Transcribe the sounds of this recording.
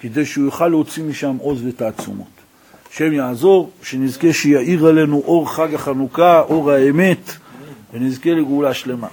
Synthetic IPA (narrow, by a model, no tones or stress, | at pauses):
ked̪ejʃeujoχalːeot͡simiʃamo̞zvet̪aːt͡sṵmo̰t̪ | ʃe̞mjaːzo̞ʁʃenizke̞ʃejaʔiʁale̞nuʔo̞ʁχaɡaχanukaʔo̞ʁhaeme̞t̪venizke̞leɡulaʃle̞ma̰